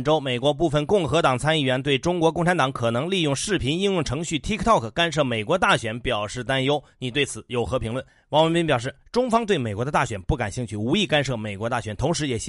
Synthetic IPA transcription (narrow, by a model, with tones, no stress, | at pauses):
ʈ͡ʂo˥ʊme˨˩ɪkwɔ˧˥p̬u˥˩fə˧˩nkʊ˥˩ŋxɤ˧˥t̪ɑ˨˩ŋt͡sʰa˥ni˥˩ɥɛ˧˥nt̪̬we˥˩ɪʈ͡ʂʊ˥ŋkwɔ˧˥kʊ˥˩ŋʈ͡ʂʰa˧˥nt̪ɑ˨˧˥ŋkʰɤ˨˩nɤ˧˥ŋli˥˧jʊ˥˧ŋʂɻ̩˥˩pʰi˧˥ni˥˧njʊ˥˩ŋʈ͡ʂʰɤ˧˥ŋɕy˥˩t̪ʰi˥kʰt̪ʰɑ˥˩kʰka˥nʂ̬ɤ˥˩me˨˩ɪkwɔ˧˥t̪a˥˩ɕɥɛ˧˥npjɑ˨˩ʊʂɻ̩˥˩t̪a˥njo˥ʊni˨˩t̪we˥˩ɪt͡sʰɹ̩˨˩jo˨˩ʊxɤ˧˥pʰi˧˥ŋlwə˥˩n | wɑ˧˥ŋwə˧˥npi˥np̬jɑ˨˩ʊʂ̬ɻ̩˥˩ʈ͡ʂʊ˥ŋfɑ˥ŋt̪we˥˩ɪme˨˩ɪkwɔ˧˥d̪ə˧t̪a˥˩ɕɥɛ˨˩npu˥˩ka˨˩nɕi˥˧ŋt͡ɕʰy˥˩u˧˥i˥˧ka˥nʂɤ˥˩me˨˩ɪkwɔ˧˥t̪a˥˩ɕɥɛ˧˥nt̪ʰʊ˧˥ŋʂ̬ɻ̩˧˥jɛ˨˩ɕ